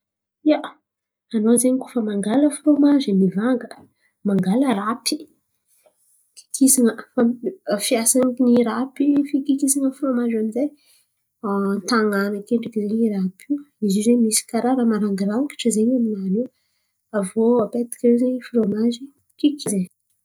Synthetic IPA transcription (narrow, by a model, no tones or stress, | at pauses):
ia | anozeɲkofəmaŋɡaləfɾomazinivaŋɡə | maŋɡaləɾapi̥ | ki̥kʰisaŋəfafjasanikiniɾapifikikisaŋəfɾomazamize | t̪aŋanəkeɳɖ͡ʐakizeɲiɾapʰiizizemisi̥kaɾaɾamaɾaŋɡiɾaki̥ʈ͡ʂəzeɲaminanu | avoapet̪i̥kʲaezeɲfɾomazi | kikize